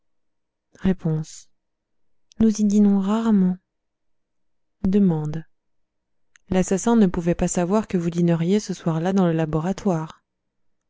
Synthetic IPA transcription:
ʁepɔ̃s | nuzid̪inɔ̃ʁaʁmɑ̃ | d̪əmɑ̃d̪ | lasasɑ̃nəpuvɛpasavwaʁkəvud̪inəʁjesəswaʁlad̪ɑ̃ləlabɔʁat̪waːʁ

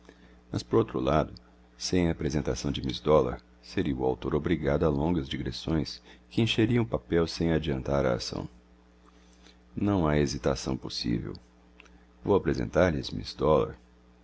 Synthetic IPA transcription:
mɐspoɾowt̪ɾʊlad̪ʊ | sẽj̃aːpɾezẽnt̪asɐ̃w̃d͡ʒɪmisd̪ɔla̰ɾ | seɾiɐʊa̰wt̪oɾobɾiɡad̪ʊalõŋɡɐzd͡ʒiɡɾesõj̃skɪẽʃeɾiɐ̃w̃papɛwsẽj̃ad͡ʒiɐ̃nt̪aɾɐ̰a̰sɐ̰̃w̃ | nɐ̃w̃aezit̪asɐ̰̃w̃posḭvḛw | vowapɾezḛ̃nt̪aɾʎɪzmḭsd̪ɔla̰ɾ

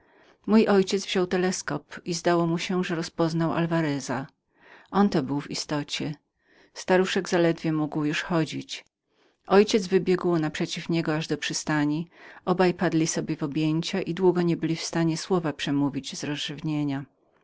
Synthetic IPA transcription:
mujʔɔjt͡ɕɛd̪zvʑ̥ɔwt̪ɛlɛskɔpizd̪awɔmuɕɛʐɛɾɔspɔznawʔa̰lvaɾɛza | ʔɔnt̪ɔbɘwvist̪ɔt͡ɕɛ | st̪aɾuʂɛɡzalɛd̪vʲjɛmuɡwjuʂxɔd͡ʑit͡ɕ | ʔɔjt͡ɕɛd̪zvɘbʲjɛɡwnapʂɛt͡ɕifɲɛɡɔaʐd̪ɔpʂɘst̪aɲiʔɔbajpad̪lʲisɔbʲjɛvɔbʲjeɲt͡ɕaʔid̪wuɡɔɲɛbɘlʲifst̪aɲɛswɔvapʂɛmuvʲid͡ʑz̥ɾɔzʐɘvɲeɲa

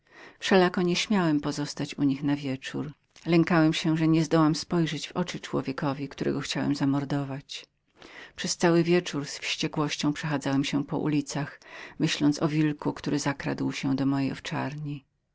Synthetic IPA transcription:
fʂɛlakɔɲɛɕmʲjawɛmpɔzɔst̪at͡ɕuɲixnavʲjɛt͡ʂuɾ | lɛŋkawɛmɕɛʐɛɲɛzd̪ɔwamspɔjʐɛd͡ʑvɔt͡ʂɘt͡ʂwɔ̰vʲjɛkɔvʲikt̪uɾɛ̰ɡɔxt͡ɕawɛ̰mzamɔɾd̪ɔvat͡ɕ | pʂɛst̪sawɘvʲjɛt͡ʂuɾsfɕt͡ɕɛkwɔɕt͡ɕɔ̃w̃pʂɛxad̪zawɛmɕɛpɔ̰ʔṵlʲit̪saxmɘɕlɔnt̪sɔvʲilkukt̪uɾɘzakɾa̰d̪wɕɛd̪ɔmɔjejɔ̰ft͡ʂa̰ɾɲi

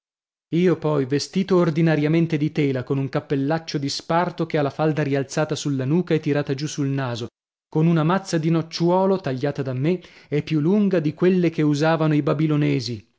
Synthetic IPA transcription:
iːopɔjvest̪iːt̪oːrd̪inaɾjament̪ed̪it̪ɛːlakonuŋkapːelːat͡ʃːod̪ispart̪okealːafald̪aɾialt̪saːt̪asulːanuːkaɛt̪ːiɾaːt̪ad͡ʒusulnaːzo | konunamat̪sːad̪inot͡ʃːwɔːlot̪aʎːaːt̪ad̪amːeepːjulːuŋɡad̪ikwelːek̟euzaːvanoibabilonɛːzi

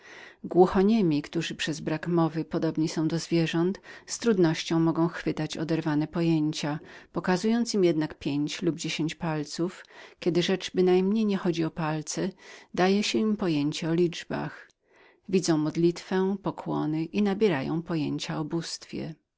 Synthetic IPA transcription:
ɡwuxɔɲɘmʲikt̪uʐɘpʂɛzbɾakmɔvɘpɔd̪ɔbɲisɔ̃w̃d̪ɔzvʲjɛʐɔnt̪st̪ɾud̪nɔɕt͡ɕɔ̃w̃mɔɡɔ̃w̃xfɘt̪at͡ɕɔ̰d̪ɛɾvanɛpɔjeɲt͡ɕapɔkazujɔnt̪simjɛd̪nakpʲjeɲt͡ɕlubd͡ʑeɕeɲt͡ɕpalt̪sufkʲɛd̪ɘʐɛt͡ʂbɘnajmɲejɲɛxɔd͡ʑiɔpalt̪sɛd̪ajɛɕɛimpɔjeɲt͡ɕɛɔlʲid͡ʐba̰x | vʲid̪zɔ̃w̃mɔd̪lʲit̪fɛpɔkʰwɔnɘʔinabʲjɛɾajɔ̰̃w̃pɔjeɲt͡ɕaɔbust̪fʲjɛ̰

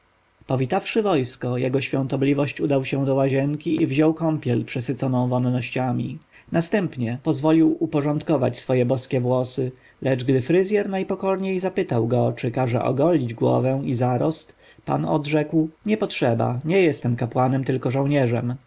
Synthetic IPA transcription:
pɔvʲit̪afʂɘvɔjskɔjɛɡɔɕfʲjɔ̃ñt̪ɔblʲivɔɕt͡ɕud̪awɕɛw̃d̪ɔwaʑɛŋkʲiivʑɔwkɔmpʲjɛlpʂɛsɘt̪sɔnɔ̃w̃vɔnːɔɕt͡ɕamʲḭ | nast̪ɛmpɲɛpɔzvɔlʲiwupɔʐɔnt̪kɔva̰t͡ɕsfɔjɛbɔskʲɛvwɔsɘ | lɛd͡ʐɡd̪ɘfɾɘzʲjɛɾnajpɔkɔɾɲejzapɘt̪awɡɔt͡ʂɘkaʐɛ̰ʔɔ̰ɡɔlʲid͡ʑɡwɔ̰vɛw̃izaɾɔst̪ | pa̰nɔ̰d̪ʐɛkwɲɛpɔtʂɛba̰ɲɛjɛst̪ɛmkapwanɛmt̪ɘlkɔʐɔ̃wɲɛʐɛm

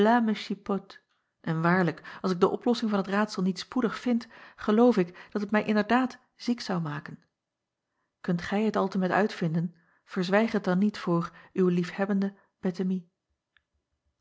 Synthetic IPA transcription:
laməʃipɔt | ʔɛnʋaːɹləkɑlˠsɪɡ̚dəʔɔplɔsɪŋvɑnɦətraːtsəlˠnitspudəχfɪntχəlowfɪkd̥ɑtɦətmɛjʔɪndəɹdaːt | z̥iksɑwmaːkən | kɵntχɛjɦətɑlˠtəmɛtœ̰ɥtfɪndən | v̥əɹzʋɛjχət̚dɑnːitfʊːrywəlifhɛbəndə | b̥ɛtəmi

